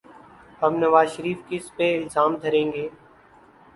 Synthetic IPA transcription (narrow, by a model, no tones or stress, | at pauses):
ɦəbnəʋaːzʃəɾiːfkɪspeːɪlzaːmd̪ʱəɾẽːŋɡeː